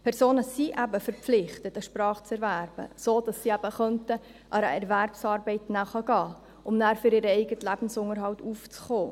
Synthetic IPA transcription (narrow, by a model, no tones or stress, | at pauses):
pʰɛɾsoːnəsiʔæbəfəɾpp͡flɪχtətəʃpɾɑːχt͡sɛɾvæːɾb̥ə̰soːd̥ɑsːiæbəχœntə | ʔæɾə̰ɛɾværpsɑːɾbɛɪtnæːχɑɡ̥ɑː | ʔʊmnæːɾfyɾɪɾəɛɪɡətlæb̥n̩sʊŋəɾɦɑwtʰuːft͡sχoː